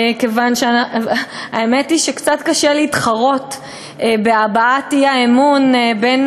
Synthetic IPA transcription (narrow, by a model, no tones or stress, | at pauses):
kevanʃea | aemetiʃekt͡satkaʃeliːtχaʁo̞tː | beabaathiaemunben